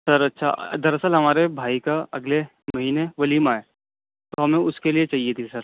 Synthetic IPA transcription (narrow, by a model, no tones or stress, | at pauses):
sɐɾɐtːʃʰa̰ɐ̰d̪ɐɾəsəlɦɐmaːɾebʱaːikaɐɡle | mɐɦiːneʋɐliːmaːeː | t̪oɦɐmẽʊskeliet͡ʃaːɦiet̪ʰisɐɾ